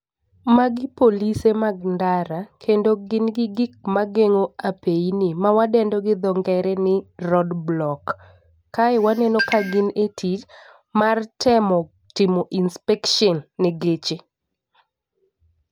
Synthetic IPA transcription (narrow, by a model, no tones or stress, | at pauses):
maɡɪpolisemaɡ̚ndaɾakʰendoɡɪnɡɪɡɪk̚maɡeŋoapeinɪmawadɛndɔɡɪd̪ɔŋɡɛɾɛnɪrɔdblɔkː | aɛwanɛnɔkaɡɪnetʰit͡ʃ | martʰɛmɔ | tɪmɔʔinspɛkʃɔnːɛɡet͡ʃe